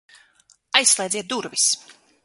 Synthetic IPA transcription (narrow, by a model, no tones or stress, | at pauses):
ajsːlˠɛjd̪ziɛt̪̚d̪uɾvis